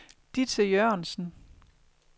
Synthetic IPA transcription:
d̥it͡sʰejøɐ̰nsn̩

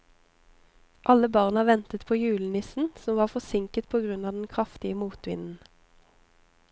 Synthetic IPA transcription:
ʔɑləbɑʁnɑʋɛnt̪ət̪pʰoːjʉːln̩ɪsn̩sɔmʋɑːʁfɔsɪŋkət̪̚pʰoːɡʁʉnɑːd̪ɛn̩kʰʁɑft̪ɪəmuːt̪ʋɪ̰nn̩

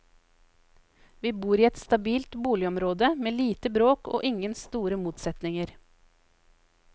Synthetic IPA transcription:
ʋiːbuːɾiːɛt̪st̪ɑbiːlt̪buːlɪɔmɾoːd̪əmeːliːt̪əbɾoːko̰ːʔɪŋənst̪uːɾəmuːt̪sɛt̪nɪŋəɾ

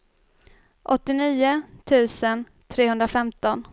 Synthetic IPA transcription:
ʔɔt̪ːɪniːʊt̪ʰʉ̟ːsən | t̪ʰɾeːɵnd̪ɾafɛmt̪ɔn

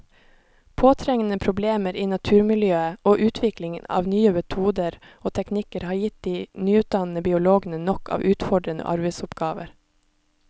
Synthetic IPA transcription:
pʰoːt̪ʰɾɛŋən̩əpʰɾʊbleːməɾiːnɑt̪ʰʉːɾmɪljøːəoːʔʉːt̪ʰʋɪklɪŋənɑ̰ːʋnyːəmɛt̪ʰuːd̪əɾ | oːt̪ʰɛknɪkəɾhɑːɾjɪt̪̚d̪iːnyːʉːt̪̚d̪ɑnn̩əbɪːʊloːɡən̩ənɔkɑ̰ːʋʔʉːt̪fɔɖɾənə̰ʔɑ̰ɾbɛɪsʊpɡɑːʋə̰ɾ

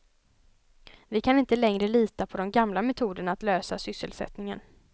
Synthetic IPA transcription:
vɪkʰanɪnt̪əlɛŋɾəliːt̪apʰɔd̪ɔmɡamlamɛt̪ʰuːd̪əɳaːt̪løːsasʏsːə̰lsɛ̰t̪nɪŋən

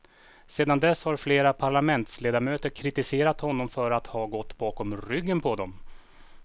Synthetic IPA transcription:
seːd̪and̪ɛshaɾfleːɾapʰaɭamɛnt̪sleːd̪aɾmøːt̪əɾkʰɾɪt̪ɪseːɾat̪hɔnːɔmfœɾat̪hɑːɡɔt̪ːbɑːkɔmɾʏɡːənpʰɔd̪ɔm

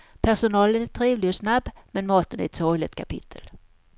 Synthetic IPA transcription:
pʰæʂʊnɑːlənɛt̪ʰɾiːvlɪɔsnabːmɛnmɑːt̪ənæ̰ɛt̪sɔjlɪt̪̚kʰapʰɪ̰t̪ʰːə̰l

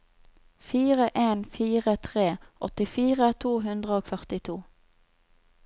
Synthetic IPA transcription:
fiːʁəʔeːnfiːʁət̪ʰʁeːʔɔt̪ɪfiːʁət̪ʰuːɦʉnd̪ʁəoːɡfœʁt̪ɪt̪ʰuː

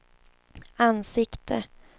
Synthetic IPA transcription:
ansɪkt̪ʰə

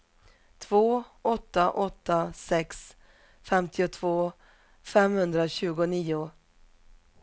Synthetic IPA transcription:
t̪ʰvoːɔt̪ːaʔɔt̪ːasɛks | fɛmt̪ʰɪʊt̪ʰvoː | fɛmhɵnd̪ɾaɕʉ̟ːɡʊniːʊ

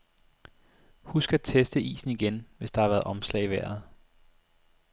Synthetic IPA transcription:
husɡ̥æt͡sʰesd̥əḭːsn̩iɡ̥enʋe̝sd̥ɑ̈hɑ̈ʋæːɐðˠɒ̽mslɛ̰ɪiʋæɐ̰ð̞̩ˠ

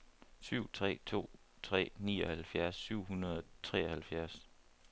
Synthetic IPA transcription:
syʊ̰t͡sʰʁɛ̰ːt͡sʰo̝̰ː | t͡sʰʁɛ̰ːniːɒ̽hælfjæɐsːyʊ̰ɦunɐðˠɒt͡sʰʁɛːɐhælfjæɐs

